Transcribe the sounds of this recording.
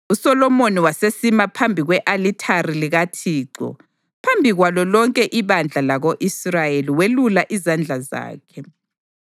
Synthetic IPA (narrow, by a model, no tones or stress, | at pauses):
usɔlɔmoniwasesimapʰambʱiɣwɛʔalitʰariliɣatʰiːǀɔ̰ | pʰambʱiɣwalɔlɔŋkʼɛʔiβand͡ɮʱalaɣoʔisrajeliwelulaʔizand͡ɮʱaza̰ːkʰɛ